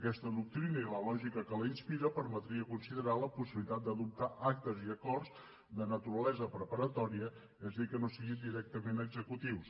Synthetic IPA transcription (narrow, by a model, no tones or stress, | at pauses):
əkɛst̪əðuk̚t̪ɾinəiləlɔʒikəkələinspiɾəpəɾmət̪ɾiəkunsiðəɾaləpusiβlit̪at̪̚d̪əðup̚t̪aʔak̚t̪əziəkɔrz | d̪ənət̪uɾəlɛzəpɾəpəɾət̪ɔɾiə | ezəðikənosiɣind̪iɾɛk̚t̪əmenəɡzəkut̪iws